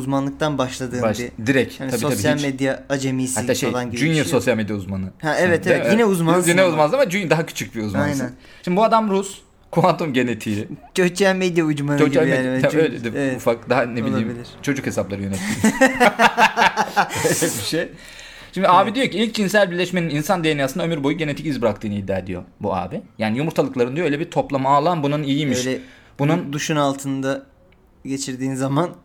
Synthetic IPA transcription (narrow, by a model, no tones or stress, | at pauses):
uzmanlˠɯk̚t̪ʰanbaʃlˠad̪ɯːbid̪iɾɛcʰaniaiso̞asijalʲmed̪jaːd͡ʒemisiat̪ːaolˠanɟibd͡ʒyiɾso̞sjalʲmed̪jauzmanɯhaɛvɛt̪ɛvɛjinɛuzmanzjinɛuzmanzamad͡ʒyɲd̪aɦacʰy̥t͡ʃʰyc̚biuzmajnn | ʃimd̪ibuad̪amɾus | kʰuant̪ʰumɟe̞net̪ʰiːt͡ʃʰøt͡ʃælʲmed̪jaud͡ʒmanoɟiijnevɛaølʲɛd̪evvɛtufak̚d̪aɦaneboilˠaiːbilʲiɾ̥t͡ʃʰo̞d͡ʒukhe̞saplˠaɾɯjønɛt̪ʰːi | ølɛbiʃej | ʃimd̪iaːbid̪ijo̞ciilʲc̚d͡ʒʰins̬ælʲbiɾlʲɛʃme̞nininsand̪ejenijasɯnaømyɾbo̞juɟe̞ne̞t̪ʰicizbiɾakt̪ʰɯːnɯid̪ːa̰ːd̪ḭjo̞̰bua̰ːbijaːnijumuɾt̪ʰalˠɯklˠaɾɯnd̪ijoølʲebiɾt̪ʰo̞plˠamaːlˠanbunanijimiʃlɛ | b̥unund̪uʃunalˠt̪ʰɯnd̪a | ɟe̞t͡ʃʰiɾd̪iːnzaman